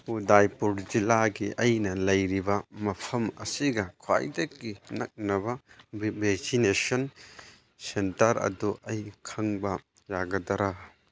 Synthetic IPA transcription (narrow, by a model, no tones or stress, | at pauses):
udajpuɾd͡ʒilaɡiʔɐjnɐlɐjɾibɐmɐpʰɐmɐ̰siɡɐkʰwa̰jdekːinɐk̚nɐbɐbeksinesɔn | sentɐɾɐ̰duʔɐjkʰɐŋbɐ | jaɡɐdɐɾa